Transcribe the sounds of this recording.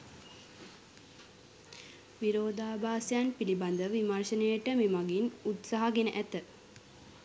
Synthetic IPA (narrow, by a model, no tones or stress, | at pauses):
ʋiɾoːd̪aːbaːsjanpiliband̪əʋimarʃənəjəʈəmemaɡinut̪saɦaɡenəʔæt̪ə